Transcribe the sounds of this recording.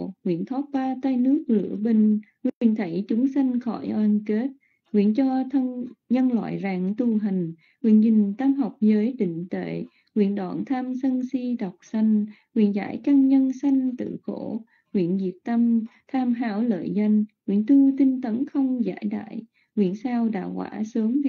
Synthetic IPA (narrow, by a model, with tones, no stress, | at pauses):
ŋwḭ˧˨ənt̪ʰɔ˦˥t̚ɓaː˧t̪a˧jnɨ˦˥ək̚lɨ̰˧˩əɓï˧ŋ̟ŋwḭi˧˨˩ənt̪ʰə˧˩˦jt͡ɕʊ˨˦ŋ͡msa˧jŋ̟xɔ̰˧˩jʔə˧nke˦˥t̚ | ŋwḭ˧˨ənt͡ɕɔ˧t̪ʰə˧nɲə˧nlwa̰ː˧˨jzaː˨˩ŋt̪u˧˩ɦa˨˩jŋ̟ | hwḭ˧˨ənzï˨˩ŋ̟t̪aː˧mɦa˨˩wk͡p̚zəː˨˦jɗï˧˨ŋ̟t̪ḛ˧˨ | wḭ˧˨ənɗwa̰˧˨˩nt̪ʰaː˧msə˧nsi˧ɗa˨˩wk͡p̚sa˧jŋ̟hwḭ˧˨ənza̰ː˧˥˩jkaː˧nɲə˧nsa˧jŋ̟t̪ɨ̰˧˨xo˧˥ | hwḭ˧˨ənzi˨˩əp̚t̪a˧mt̪ʰaː˧mɦaː˧wlə̰ː˧˨jza˧jŋ̟wḭ˧˨ənt̪u˧t̪ï˧ŋ̟t̪ə˨˦nxə˧wŋ͡mza̰ː˧˥jɗa̰ː˧˨j | ŋwḭ˧˨ənsaː˧wɗa̰ː˧˨whwa̰ː˧˥səː˨˦m˧˨